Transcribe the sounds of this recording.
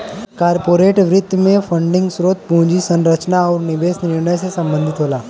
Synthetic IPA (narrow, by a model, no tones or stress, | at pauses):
kaːɾpoːɾeːʈʋɾɪt̪ːmẽpʰə̃ɳɖɪ̃ŋɡsɾoːt̪̚pũːd͡ʒisə̃nɾət͡ʃnaɔːɾnɪbeːsnɪɾɳəjsesɐ̃mbə̃nd̪ʱɪt̪ɦoːlaː